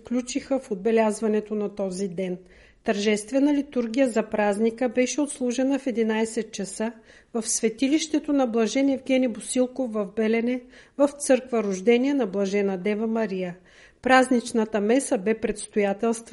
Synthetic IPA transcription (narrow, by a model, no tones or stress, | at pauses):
fklʲut͡ʃixəfod̪̚bɛlʲazvɐnɛt̪onɐt̪ɔzid̪ɛn | t̪ɐɾʒɛst̪vɛnəlit̪uɾɡʲijəzɐpɾaznikəbɛʃɛot̪slˠuʒɛnəfɛd̪inajsɛt̪̚t͡ʃɐsə | vɐfsvɛt̪iliʃt̪ɛt̪onɐblˠɐʒɛnɛvɡʲɛnʲibosilˠkofːɐvbɛlɛnɛvɐft̪sɤɾkvəɾʊʒd̪ɛniɛnɐblˠɐʒɛnɐd̪ɛvəmɐɾijə | pɾaznit͡ʃnət̪əmɛsəbɛpɾɛt̪st̪ojat̪ɛlˠst̪v